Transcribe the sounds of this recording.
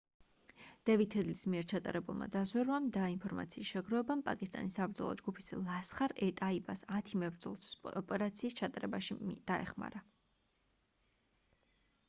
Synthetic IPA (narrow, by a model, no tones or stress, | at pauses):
d̪̥ɛvit̪ʰːɛd̪lismiɛɾt͡ʃʰat̪ʼa̰ɾɛbulˠma̰d̪azwɛɾwamd̪ainpʰɔɾmat̪sʰiːsʃɛɡɾɔɛbampʼa̰kʼist̪ʼa̰nisːabɾd̪zɔ̰lˠɔ̰d͡ʒɡupʰislˠasχaɾɛt̪ʼaibasat̪ʰimɛbɾd̪zɔlˠsɔpʼɛɾat̪sʰiːst͡ʃʰat̪ʼaɾɛbaʃimd̪̥aɛ̰χma̰ɾa